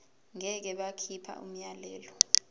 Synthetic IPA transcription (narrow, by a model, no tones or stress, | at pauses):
ŋɛk̬ɛɓakʰipʰa̰ʔṵm̩jalɛːlɔ